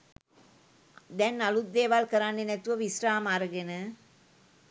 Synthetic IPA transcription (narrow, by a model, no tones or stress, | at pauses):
d̪ɛnːalut̪d̪eːʋalkəɾanːenɛt̪uʋəʋisraːmaɾəɡenə